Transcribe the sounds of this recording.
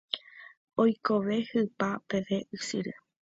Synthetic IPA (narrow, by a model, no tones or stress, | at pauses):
ojko̞ʋe̞hɨpapeʋe̞ʔɨsɨɾe